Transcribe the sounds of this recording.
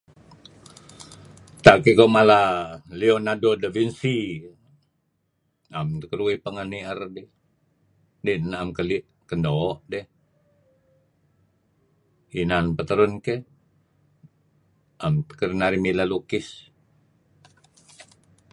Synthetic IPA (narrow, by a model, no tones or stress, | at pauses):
t̪akikomalalionadodəvinsi | amt̪əkəɾuihpəŋəniərdɛ | dɛnamkəliʔ | kəndoʔdɛh | inanpət̪əɾunkeh | ʔamə̥kəɾnaɾimilalukɪs